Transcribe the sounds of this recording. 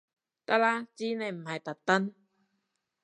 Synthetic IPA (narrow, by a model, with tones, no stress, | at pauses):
t̪a˧˥laː˧t͡ɕiː˦na˧˩jm̩˨˩ha˨˩jt̪a˨˩t̪ːa˧˥n